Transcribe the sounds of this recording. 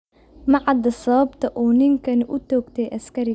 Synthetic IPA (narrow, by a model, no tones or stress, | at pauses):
mɑʕɑd̪ɐsɐβɐbt̪ʰɐʔuːnɪŋkʰɐnʔʊt̪ʰɔːɡt̪ʰɛjʔɐskʰɐɾɪ